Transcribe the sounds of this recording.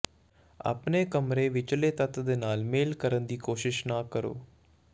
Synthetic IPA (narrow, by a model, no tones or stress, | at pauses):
a̰ːpneːkəmɾeːʋɪt͡ʃleːt̪ət̪d̪eːnaːlmeːlkəɾənd̪iːkoːʃɪʃnaːkəɾo̰ː